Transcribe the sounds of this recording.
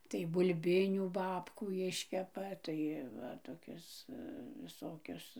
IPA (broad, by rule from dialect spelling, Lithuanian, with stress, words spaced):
tɐɪ bʊlʲˈbʲɪnʲuː ˈbɑːpkuː ˈɪʃʲkʲɛpɐ ˈtɐɪ ˈʋɐ toːˈkʲɛs ʋʲɪˈsoːkʲɛs